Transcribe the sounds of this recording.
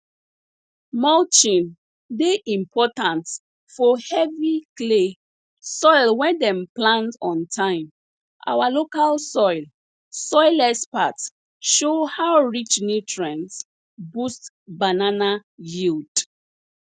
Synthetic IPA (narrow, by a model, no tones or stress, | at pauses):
mɔlt͡ʃĩn | deʔĩmpʰɔtãnt | fɔhɛvikle | sɔjlwɛ̃ndɛ̃mplãntɔ̃ntʰãɪ̃m | ʔa̰walokalsɔjl | sɔjlɛspat | ʃohawɹit͡ʃnitʰɹɛ̃ns | bust | bananajild